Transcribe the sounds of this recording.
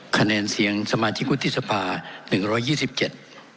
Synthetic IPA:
kʰa˧nɛː˧nsi˩˦əŋsa˧maː˧t͡ɕʰi˦˥k̚wu˦˥t̪ʰːi˥ʔsa˧pʰaː˧nɯ˨˩ŋɾɔː˦˥jːiː˥˩si˨˩p̚t͡ɕe˨˩t̪̚

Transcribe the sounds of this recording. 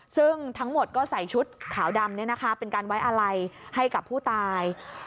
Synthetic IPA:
sɯ˥˩ŋt̪ʰa˦˥ŋmo˨˩t̪̚kɔː˥˩sa˨˩˦jt͡ɕʰu˦˥t̪̚kʰaː˩˦wda˧mni˥˩ɐna˦˥kʰa˦˥pe˧nkaː˧nwa˦˥jʔa˧ɾa˧jha˥˩jka˨˩pʰːuː˥˩t̪aː˧j

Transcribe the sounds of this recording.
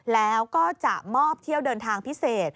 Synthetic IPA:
lɛː˦˥wkɔː˥˩t͡ɕa˨˩ʔmɔː˥˩p̚t̪ʰi˥˩əwdɤː˧nt̪ʰaː˧ŋpʰi˦˥seː˨˩t̪̚

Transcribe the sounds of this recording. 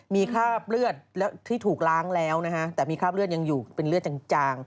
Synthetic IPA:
miː˧kʰaː˥˩p̚lɯ˥˩ət̪̚lɛː˦˥wt̪ʰːiː˥˩t̪ʰuː˨˩k̚laː˦˥ŋlɛː˦˥wna˦˥kʰa˦˥ʔt̪ɛː˨˩miː˧kʰaː˥˩p̚lɯ˥˩ət̪̚ja˧ŋjuː˨˩pe˧nlɯ˥˩ət̪̚t͡ɕa˧˩ŋt͡ɕaː˧ŋ

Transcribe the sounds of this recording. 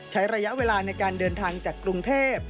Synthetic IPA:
t͡ɕʰa˦˥jɾa˧ja˦˥ʔweː˧laː˧na˧jkaː˧ndɤː˧nt̪ʰaː˧ŋt͡ɕaː˨˩kɾu˧ŋt̪ʰeː˥˩p̚

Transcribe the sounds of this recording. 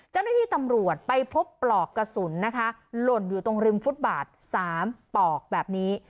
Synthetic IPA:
t͡ɕa˥˩wna˥iː˥˩t̪a˧mɾu˨˩ət̪̚pa˧jpʰo˦˥pːlɔː˨˩kːa˧su˩˦nːa˦˥kʰa˦˥lo˨˩njuː˨˩t̪o˧ŋɾi˧mfu˦˥t̪̚baː˨˩t̪̚saː˩˦mpɔː˨˩k̚bɛː˨˩p̚niː˦˥

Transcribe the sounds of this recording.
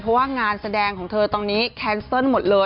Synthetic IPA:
pʰɔ˦˥waː˥˩ŋaː˧nsa˧dɛː˧ŋkʰɔː˩˦ŋt̪ʰɤː˧t̪ɔː˧ŋniː˦˥kʰɛː˦˥nsɔ˥˩nmo˨˩t̪̚lɤː˧

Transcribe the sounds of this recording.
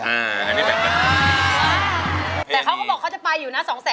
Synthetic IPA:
ʔa˧˩˨na˦˥˩a˥˩bɛː˨˩a˧˩a˧˩˧ | t̪ɛː˨˩kʰa˦˥kʰɔː˥˩bɔː˨˩k̚ʰːa˥wt͡ɕa˨˩pa˧jːuː˨˩naː˦˥˩sɔː˩˦ŋsɛː˨˦

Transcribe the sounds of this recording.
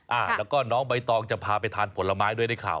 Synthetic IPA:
ʔaː˧˩lɛː˦˥wkɔː˥˩nɔː˦˥ŋba˧jt̪ɔː˧ŋt͡ɕa˨˩pʰaː˧pa˧jt̪ʰaː˧npʰo˩˦nlːa˧maː˦˥jdu˥˩əjda˥˩jkʰa̰ː˨˩w

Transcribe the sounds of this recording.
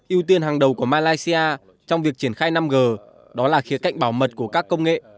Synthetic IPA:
ʔi˧əwt̪i˧ənɦaː˨˩ŋɗə˨˩wku˧˩əmaː˧laː˧jsi˧ʔaː˧ | t͡ɕɔ˧wŋ͡mvi˨˩ək̚t͡ɕi˧˩ənxaː˧jna˧mɣəː˨˩ | ɗɔ˨˦laː˨˩xi˨˦əka̰˧˨ŋ̟ɓaː˧˩wmə˨˩t̚ku˧˩əkaː˦˥kːə˧wŋ͡mŋḛ˧˨

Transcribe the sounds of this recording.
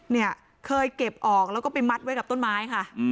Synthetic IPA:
ni˥˩ɐ | kʰɤː˧jke˨˩p̚ʔɔː˨˩k̚lɛː˦˥wkɔː˥˩pa˧jma˦˥t̪̚wjka˨˩p̚t̪o˥˩nmaː˦˥jkʰa˥˩

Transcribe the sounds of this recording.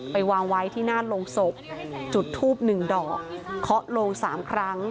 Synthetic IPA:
pa˧jwaː˧ŋwa˦˥jt̪ʰiː˥˩naː˥˩loː˧ŋso˨˩p̚t͡ɕu˨˩t̪ʰːuː˥˩p̚nɯ˨˩ŋdɔː˨˩k̚ʰːɔ˦˥ʔloː˧ŋsaː˩˦mkʰɾa˦˥ŋ

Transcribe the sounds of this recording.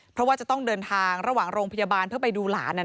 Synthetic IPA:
pʰɾɔ˦˥waː˥˩t͡ɕa˨˩t̪ɔ˥˩ŋdɤː˧nt̪ʰaː˧ŋɾa˧waː˨˩ŋɾoː˧ŋpʰa˧jaː˧baː˧npʰɯ˥˩ɐpa˧jduː˧la̰ː˩˦nːa˧

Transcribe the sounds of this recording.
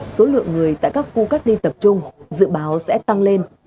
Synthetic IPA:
so˨˦lɨ̰˧˨əŋːɨ˨˩əjt̪a̰ː˧˨jkaː˦˥kːu˧ka˦˥k̚li˧t̪ə˨˩p̚t͡ɕʊ˧ŋ͡mzɨ̰˧˨ɓaː˨˦wsɛ̰˧˥t̪a˧ŋle˧n

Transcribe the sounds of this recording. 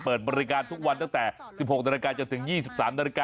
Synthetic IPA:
pɤː˨˩t̪̚bɔː˧ɾi˦˥kaː˧nt̪ʰu˦˥k̚wa˧nt̪a˥˩ŋt̪ɛː˨˩si˨˩p̚ho˨˩k̚da˧ɾa˧kaː˧t͡ɕo˧nt̪ʰɯ˩˦ŋjiː˥˩si˨˩p̚saː˩˦mda˧ɾi˧kaː˧

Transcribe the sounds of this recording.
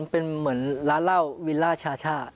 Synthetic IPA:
npe˧nmɯ˩˦ənla˦˥la˥˩wwi˦˥laː˥˩t͡ɕʰaː˧t͡ɕʰaː˥˩t̪̚

